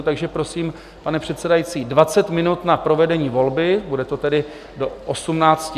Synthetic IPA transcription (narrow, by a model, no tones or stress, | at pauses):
t̪aɡʒɛpɾo̞siːm | panɛpr̝̥ɛt̪sɛdajit͡siːdvat͡sɛt̪mɪnut̪napɾo̞vɛdɛɲiːvo̞lbɪbudɛt̪o̞t̪ɛdɪ | do̞ʔosumnaːt͡sc